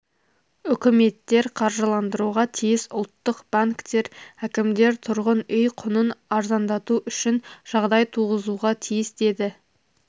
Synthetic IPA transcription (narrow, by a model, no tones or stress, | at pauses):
ʏkʲɪme̞t̪ːe̞ɾqʰɑɾʒəlˠɑnd̪əɾuʁɑt̪ʰijɪsʊlˠt̪ːəqb̥aŋkt̪e̞ɾækʲɪmd̪e̞ɾt̪ʰʊɾʁənʏjqʰʊnənɑɾzɑnd̪ɑt̪uʔʏʃɪnʒ̥ɑʁd̪ɑjt̪ʰuʁəzuʁɑt̪ʰijɪsd̪e̞d̪ɪ